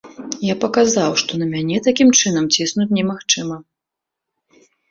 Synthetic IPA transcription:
japɐkazawʂt̪ɔnɐmʲanʲɛt̪akʲimt͡ʂɨn̪ɐmt͡sʲisnut͡sʲnʲɛmaxt͡ʂɨmɐ

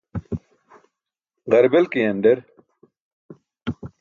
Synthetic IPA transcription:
ʁɐɾbelkiɐnɖeɾ

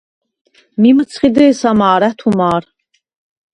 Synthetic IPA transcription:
mimət͡sʰχid̪əːsamaːɾæt̪ʰumaːɾ

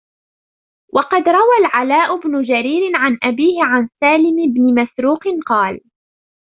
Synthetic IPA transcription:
wʔɑqɑd̪ɾˤɑwalʕalaːʔʊbnʊd͡ʒaɾiːɾɪʕanʔabiːhɪʕansaːlɪmbnɪmasɾuːqɪnqɑːl

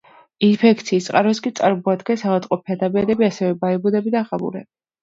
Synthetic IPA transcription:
inpʰɛkʰt̪sʰiːst̪ʼqʼaɾɔskʼit̪sʼaɾmɔad̪ɡɛnsaʁat̪ʼqʼɔpʰɛd̪abɛɾɛbiasɛvɛbaɛbud̪ɛbid̪aʁamṵɾɛbi

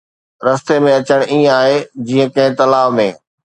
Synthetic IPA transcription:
ɾɐst̪emẽɐt͡ɕəɽ̃ĩːə̃aːɦed͡ʑiːə̃kɐ̃ɦɪ̃t̪ɐlaːʋmẽː

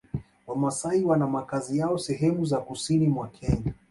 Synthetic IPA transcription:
wamasaiwanamakazijaɔsɛɦɛmuzakusinimwakʰɛɲa

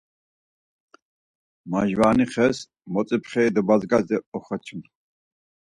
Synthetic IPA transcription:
maʒvaːniχɛs | mɔt͡sʼipʰχɛid̪əbazɡazd̪ɛɔχɔt͡ʃʰum

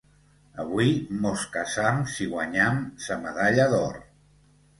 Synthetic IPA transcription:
əβuimoskasamsiɣwaɲamsəməðaʎaðɔr

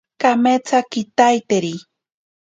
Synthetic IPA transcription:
kamet͡sakit̪ajt̪eɾi

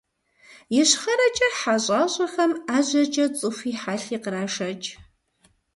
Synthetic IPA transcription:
jɪɕχɐɾɐt͡ʃʼɐħaɕʼaːɕʷʼɐxɐmaːʑɐt͡ʃʼɐt͡sʼɨfʷiːħaːɬiːqəɾaːʂɐt͡ʃʼ

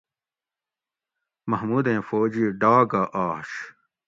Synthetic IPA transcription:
mɐhmuːd̪ẽːfoːd͡ʑiɖaːɡaʔaːɕ

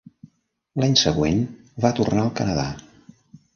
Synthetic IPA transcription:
laɲsəɣwen | βat̪urnaəlˠkənəða̰

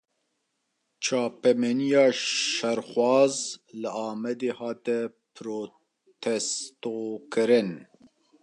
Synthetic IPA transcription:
t͡ʃʰɑːpɛmɛnijɑːʃɛɾxwɑːzlɨɑːmɛd̪eːhɑːt̪ɛ | pɾoː | t̪ʰɛst̪oːkɨɾɨn

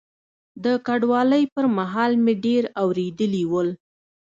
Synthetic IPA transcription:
d̪əkaɖwɑləjpəɾmaɦɑlmeɖeɾawɾed̪əliwəl

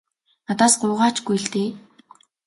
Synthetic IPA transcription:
nat̪aːsɢʊːʁaːt͡ɕɡujɮt̪eː

